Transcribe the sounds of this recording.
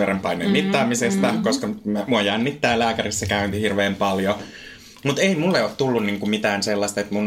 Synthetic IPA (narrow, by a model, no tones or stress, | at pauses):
orempɑinːḛmit̪ːɑːmisest̪ɑkoskɑmmuɑjænːit̪ːæːlæːkærisːɑkæynt̪ihirʋeːmpɑljo | mut̪eimulːeot̪t̪ulːunniːŋkummit̪æːnselːɑst̪ɑet̪mun